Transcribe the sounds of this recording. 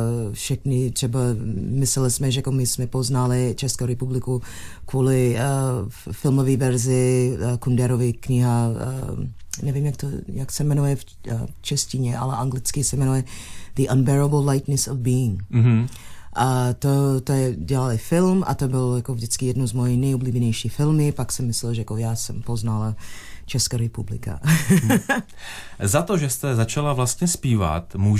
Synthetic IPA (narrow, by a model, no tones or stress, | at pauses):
fʃɛxnɪt̪r̥ɛbamɪslɛlɪsmɛʒɛkomɪsmɛpoznalɪt͡ʃɛskowɾɛpublɪku | kvuːlɪ | fɪlmoviːvɛɾzɪkundɛɾovɪkɲɪɦa̰ | nɛvimjak̚t̪ojaksɛmɛnujɛf | t͡ʃɛscɪɲɛʔa̰lɛʔaŋɡlɪt͡skɪsɛmɛnujɛd̪̥iʔanbɛɾabllajt̪nɛsɔvbiːɪŋ | ʔat̪ot̪oɛɟɛlalɪfɪlmʔa̰t̪obɪljakovdɪt͡skɪjɛdnozmoːjinɛjobliːbɛɲɛjʃiːxfɪlmɪpaksɛmːɪslɛlʒɛjakojaːsɛ̰mpoznalat͡ʃɛskaɾɛpublɪ̰ka̰ | zat̪oʒɛst̪ɛzat͡ʃalavlast̪ɲɛspiːva̰t̪mu